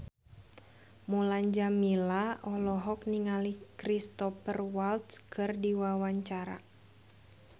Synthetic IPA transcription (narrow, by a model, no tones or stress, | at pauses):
mulaɲd͡ʒamilaʔɔlɔɦɔk̚niŋalikɾist̪ɔfərwalt̪skʰɨrdiwawaɲt͡ʃaɾa̰